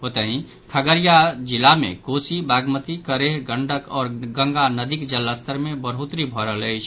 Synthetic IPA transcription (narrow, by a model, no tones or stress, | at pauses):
pət̪aɦĩ | kʰəɡəɾijad͡ʒɪlamḛ̃koːsibaɡmət̪ikəɾeɦɡəɳɖəkɔːɾɡə̃ŋɡanəd̪ikd͡ʒəlːast̪ʰəɾmẽbəɾɦut̪ɾibʱɔɾələɪt͡ʃʰ